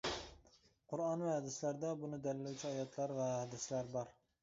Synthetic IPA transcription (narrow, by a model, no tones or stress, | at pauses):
qʰʊɾɑnvɛɛd̪ɪslæɾd̪ɛbunɪd̪ɛllːot͡ʃʰiɑjɑt̪ʰlˠɑɾvɛɛd̪ɪslæɾbɑɾ